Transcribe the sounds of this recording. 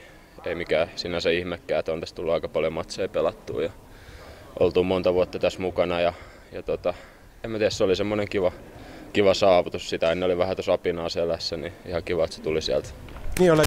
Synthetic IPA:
ḛimikæsinæsæihmekːæːet̪ont̪æst̪ulːuɑikɑpɑljomɑt̪seipelɑt̪ːṵːjɑ | ʔo̰lt̪uːmont̪ɑʋuot̪ːɑt̪æsmukɑnɑjɑ | jɑt̪ot̪ɑ | emæt̪iæsseolisemːoneŋkiʋɑkiʋɑsɑːʋut̪ussit̪æhænːeoliʋæhæt̪osɑpinɑːselæsːæniihɑkiʋɑet̪se̥t̪ulisiælt̪ | niːole

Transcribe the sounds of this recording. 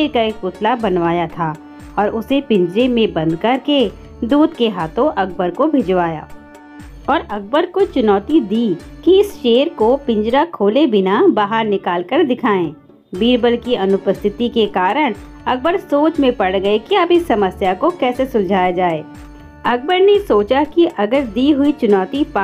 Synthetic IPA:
ɾkaeːkpʊt̪ʰlabɐnʋaːjat̪ʰaː | ɔːɾʊsepɪ̃ɲd͡ʒɾemẽbɐ̃nd̪kɐɾke | d̪uːd̪keɦaːt̪õʔɐk̚bəɾkobʱɪd͡ʒʋaːja̰ː | ɔːɾɐk̚bəɾkot͡ʃʊnɔːt̪id̪iː | kiɪsʃeːɾkopɪ̃ɲd͡ʒɾakʰoːlebɪnabaːɦəɾnɪkaːlkəɾd̪ɪkʰaːẽː | biːɾbəlkiɐnʊpəst̪ʰɪt̪ikekaːɾəɽ̃ | ɐk̚bəɾsoːt͡ʃmẽpɐɽɡɐekiɐbʱɪsɐməsjakokɛːsesʊ̃nd͡ʒʱaːjad͡ʒaːeː | ɐk̚bəɾnesoːt͡ʃakiʔɐɡəɾd̪iːɦʊit͡ʃʊnɔːt̪ipa

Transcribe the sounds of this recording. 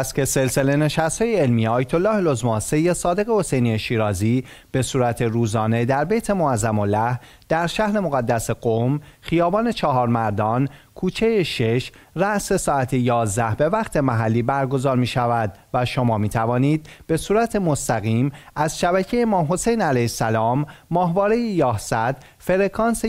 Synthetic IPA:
st̪cʰe̞se̞lse̞le̞ne̞ʃæst̪hɒːjeelmijeɒːjet̪ʰo̞lːɒːhlozmɒːnse̞jːesɒːd̪e̞ɣe̞ho̞se̞jnijeʃiːɾɒːziː | b̥e̞suːɾæt̪ʰe̞ɾuːzɒːne̞d̪æɾbejt̪ʰe̞moæzæmolæh | d̪̥æɾʃæhɾe̞moɣæd̪ːæseɡ̥omxijɒːbɒːne̞t͡ʃʰɒɦɒːɾmæɾd̪ɒːnkʰuːt͡ʃʰe̞jeʃe̞ʃræʔse̞sɒːæt̪ʰejɒːzd̪æhbe̞væχt̪ʰe̞mæɦælːiːbæɾɡo̞zɒːɾmiːʃævæd̪væʃo̞mɒːmiːt̪ʰævɒːniːd̪̚b̥e̞suːɾæt̪ʰe̞mo̞st̪æɣiːmæzʃæbæcʰejemɒːmɦo̞se̞jnælæjsælɒːmːɒːɦvɒːɾe̞jejɒːhsæd̪̥ | fe̞ɾekʰɒːnse

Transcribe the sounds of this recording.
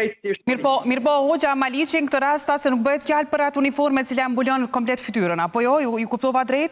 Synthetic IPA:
imiɾpɔmiɾpɔɦod͡ʒamalit͡ʃiŋkt̪əɾast̪asɛnuk̚bəɦɛt̪fjalpəɾat̪unifɔɾmɛt͡silambulənkɔmplɛt̪fit̪yɾənapɔjɔjujukup̚t̪ɔvad̪ɾɛjt̪

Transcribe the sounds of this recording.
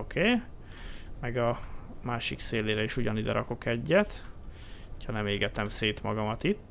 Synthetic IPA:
okʰeː | mɛɡɒmaːʃikseːleːɾɛiʃuɟɒnid̪ɛɾɒko̞kɛɟːɛt̪ | ho̥chɒnɛmeːɡɛt̪ɛmseːt̪mɒɡɒmɒt̪it̪ː

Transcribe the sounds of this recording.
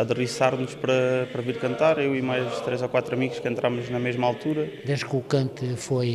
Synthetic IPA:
ɐðɨʁisaɾnuʃpɾɐpɾɐviɾkɐ̃nt̪aɾewimajt̪ɾezɔkwat̪ɾɐmiɣuʃkẽnt̪ɾamuʒnɐmeʒmalˠt̪uɾɐd̪eʒkukɐ̃nt̪foj

